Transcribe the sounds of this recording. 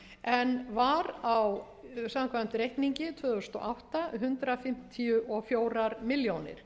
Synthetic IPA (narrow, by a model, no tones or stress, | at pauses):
ɛnvaɾaw | samaŋkʰvam̥t̪ɾejht̪niɲcɪt̪ʰvœːðʏst̪ɔ̰ʔawht̪aɦʏnt̪ɾafɪm̥t̪ʰiʏʔɔfjoːwɾaɾmɪljownɪ̰ɾ̥